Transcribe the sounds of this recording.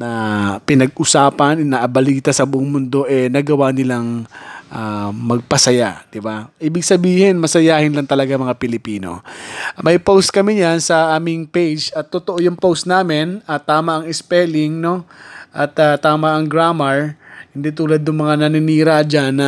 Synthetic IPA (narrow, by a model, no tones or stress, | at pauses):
nɐpɪnɐɡ̚ʔʊsaːpɐnɛnɐʔɐbɐliːt̪ɐsɐbʊʔoŋmʊnd̪o̞ʔɛnɐɡɐwanɪlaŋʔamɐɡ̚pɐsɐja̰d̪̥ɪbaʔiːbɪɡ̚sɐbiːhɪnmɐsɐjaːhɪnlɐŋt̪ɐlɐɡamɐŋapɪlɪpiːno̞̰mɐjpowst̪̚kɐmɪɲansɐʔaːmɪŋpejd͡ʒɐt̪ːot̪oʔojʊŋpowst̪naːmɪnɐt̪ːaːmɐʔɐŋɪspɛlɪŋno̞ʔɐt̪at̪aːmɐʔɐŋɡɾaːmɐɹhɪnd̪it̪uːlɐd̪̚nʊŋmɐŋanɐnɪniːɾad͡ʒanːɐ